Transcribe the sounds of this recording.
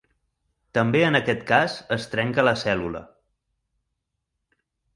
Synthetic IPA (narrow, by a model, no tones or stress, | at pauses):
t̪əmbeənəkɛt̪kazəst̪ɾɛŋkələsɛlulə̰